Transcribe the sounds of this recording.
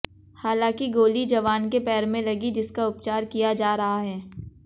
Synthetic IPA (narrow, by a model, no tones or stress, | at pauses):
haːlãːkiɡoːlid͡ʒɐʋaːnkepɛːɾmẽlɐɡid͡ʒɪskaʊp̚t͡ʃaːɾkijad͡ʒaːɾɐɦaɦɛː